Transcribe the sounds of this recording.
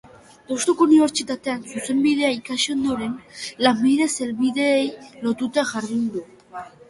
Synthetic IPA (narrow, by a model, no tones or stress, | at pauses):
t̪ost̪ukouniβe̞ɾt͡ʃit̪at̪e̞ansuse̞mbið̞e̞aikaʃond̪oɾe̞nlambiðe̞se̞lβiðe̞ːjlo̞t̪ut̪aʝaɾðind̪u